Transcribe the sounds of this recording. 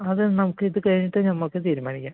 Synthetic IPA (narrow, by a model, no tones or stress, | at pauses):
ɐðɨnɐmukːɨiðɨkɐɻiɲːiʈːɨnɐmːokːet̪iːɾumaːɳikʲːa